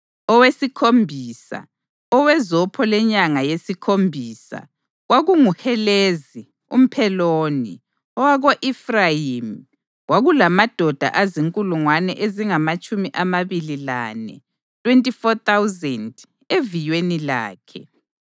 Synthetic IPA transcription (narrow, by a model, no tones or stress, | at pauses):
ɔwesikʰombʱiːsa̰ | ɔwɛzɔpʰɔlɛɲaŋajesikʰombʱiːsa̰ | ɣwaɣuŋuxɛlezi | ṵm̩pʰɛloːni | ɔwaɣoʔifrajim | ɣwaɣulamad̥ʱɔd̥ʱa̰ʔaziŋkʼuluŋwanɛʔeziŋamat͡ʃʼumiʔamaβilila̰nɛ̰ | tʼwentʼifɔt̪awzɛnd | evijwenila̰ːkʰɛ̰